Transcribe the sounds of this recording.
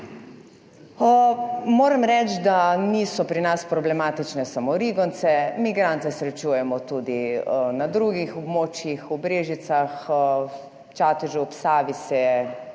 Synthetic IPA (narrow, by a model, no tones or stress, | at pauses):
əmoːɾɛmɾɛt͡ʃd̪anisɔpɾinaspɾɔblɛmaːt̪it͡ʃnɛsamoɾiɡɔnt̪sɛmiɡɾaːnt̪ɛsɾɛt͡ʃuːjɛmɔt̪ud̪inad̪ɾuɡixɔbmoːt͡ʃjixɔbɾeːʒit̪sax | t͡ʃaːt̪ɛʒɛɔpsaːʋisɛ